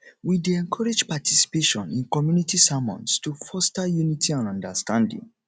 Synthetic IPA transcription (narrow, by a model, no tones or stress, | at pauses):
wideɛ̃ŋkʰɔɹed͡ʒpatʰisi̥peʃɔ̰̃nĩnkɔmjunitisamɔ̰̃nstufɔstajunitiãnɔ̃ndastãndḭ̃ŋ